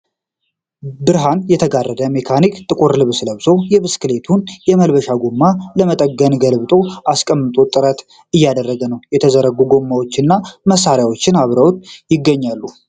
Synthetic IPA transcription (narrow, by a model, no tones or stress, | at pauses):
bɨɾɦanjɛt̪ʰəɡarːəd̪əmekʰanikt̪ʼɨkʼuɾlɨβsləβsojɛβɨskɨle̞t̪ʰunjɛməlbəʃaɡumːaləmət̪ʼəɡːənɡəlbɨt̪ʼo̞ʔaskʼəmːɨt̪ʼot̪ʼɨɾət̪ | ɨjːad̪ərːəɡənəwjɛt̪ʰəzəɾəɡuɡo̞mːawo̞t͡ʃːɪnːaməsaɾjawo̞t͡ʃːɪnaβɾəwt̪jɪɡːəɲːalːu